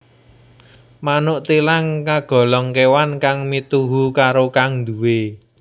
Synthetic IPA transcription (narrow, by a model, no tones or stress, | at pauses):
manʊʔt̪ilaŋkaɡ̥ɔ̤lɔŋkewankaŋmit̪uɦukaɾokaŋnd̪uwe